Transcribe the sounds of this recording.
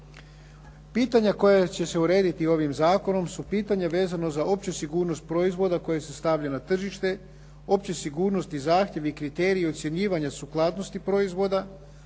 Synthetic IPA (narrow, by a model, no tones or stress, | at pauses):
piːt̪aɲako̞jat͡ɕe̞se̞uɾe̞ːd̪it̪io̞ʋimzaːko̞no̞msupiːt̪aɲaʋe̞ːzano̞zao̞pt͡ɕesiɡuːɾno̞st̪̚pɾo̞izʋo̞d̪ako̞jese̞st̪aʋʎanat̪r̩ʒiʃt̪e̞ | o̞pt͡ɕesiɡuːɾno̞st̪izaːxt̪jeʋiikɾit̪e̞ːɾiio̞t̪sje̞ɲiːʋaɲasuklˠaːd̪no̞st̪ipɾo̞izʋo̞d̪a